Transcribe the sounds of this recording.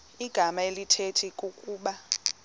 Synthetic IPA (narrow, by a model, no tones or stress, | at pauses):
iɡ̥ʱamaelitʰetʰikʼukʼuːɓa